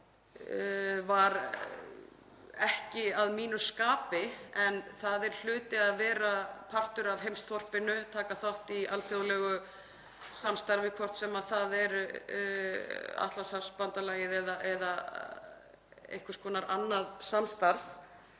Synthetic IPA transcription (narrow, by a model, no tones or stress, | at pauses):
vaɾ | ɛhcɪaðmiːnʏskaːpɪɛnθaðɛɾ̥l̥ʏːt̪ɪaðvɛːɾapʰar̥t̪ʏɾavɦejmst̪θɔr̥pɪnʏt̪ʰaːkaθaht̪ialt̪ʰowlɛɣʏ | samst̪aɾvɪkʰɔr̥t̪sɛmaðθaðɛɾ | a̰t̪lasaspant̪alajɪðɛðaʔɛða | ḛjhkʏ̥skɔːnaɾʔanːaðsamst̪aɾv